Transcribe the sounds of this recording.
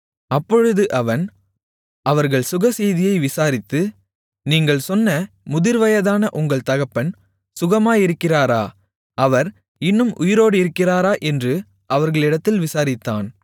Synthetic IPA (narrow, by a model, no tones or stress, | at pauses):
ɐpːɔɻɯðɯʔɐʋɐn | ʔɐʋɐɾɣɐɭsʊɣɐsɛjðɪjɐɪʋɪsaːɾɪt̪ːɯ | niːŋɡɐɭsɔnːɐ | mʊðɪɾʋɐjɐðaːnɐʔʊŋɡɐɭt̪ɐɣɐpːɐn | sʊɣɐmaːjɪɾɯkːɪraːɾaː | ʔɐʋɐɾ | ɪnːɯmʔʊjɪɾoːɽɯɪɾɯkːɪraːɾaːʔɛndrɯ | ʔɐʋɐɾɣɐɭɪɽɐt̪ːɪlʋɪsaːɾɪt̪ːa̰ːn